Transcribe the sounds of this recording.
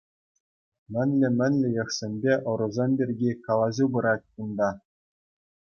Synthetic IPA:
mʲɘ̆nʲlʲɘ̆mʲɘ̆nʲlʲɘ̆jɤ̆χsʲenʲbʲeʔŏɾɤ̆zɑnʲbʲerʲɡʲikɑlˠɑʑʲubɤ̆ɾɑt̚ʲkund̪ɑ

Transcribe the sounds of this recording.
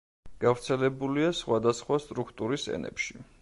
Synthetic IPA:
ɡ̥avɾt̪sʰɛlɛbuliasχwad̪asχwast̪ʼɾukʰt̪ʼuɾisɛ̰nɛ̰pʃi

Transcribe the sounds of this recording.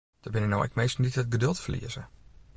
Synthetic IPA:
d̥əbɪnəno̰wʔɛ̰k̚mejstnditət̚ɡədølˠtfərlḭəzə

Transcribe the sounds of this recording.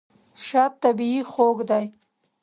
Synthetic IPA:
ʃat̪ːabiixoɡd̪aj

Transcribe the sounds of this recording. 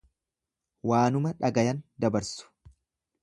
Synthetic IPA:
waːnʊmɐᶑɐɡɐjɐnd̪ɐbɐɾsʊ̥

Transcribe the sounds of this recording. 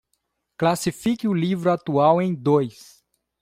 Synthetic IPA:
klasifikɪʊlivɾʊat̪uawẽj̃d̪ojs

